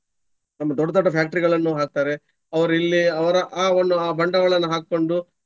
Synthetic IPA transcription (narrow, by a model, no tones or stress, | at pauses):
nɐmːɐd̪ɔɖːɐd̪ɔʈːɐpʰjaːk̚ʈɐɾiɡɐɭɐnːuːɦaːk̚t̪aːɾe̞ | ɐʋɐɾuilːiɐʋɐɾɐʔaːond̪uaːbʱɐɳɖɐʋɐɭɐnːɐɦaːkkːo̞ɳɖu